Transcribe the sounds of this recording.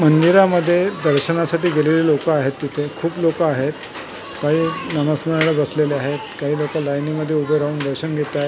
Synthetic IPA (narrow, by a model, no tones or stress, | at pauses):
mənd̪iɾaməd̪ʱːjed̪əɾɕənasaʈiːɡelelilokaːɦet̪ːit̪ʰekʰuːplokaːɦet̪ | kaɦiːnəməsməɽaɭəbəsleleaɦet̪kaɦiːlokalajniməd̪ʱːjeubʱəjɾauːnd̪əɾɕənɡʱet̪aɦe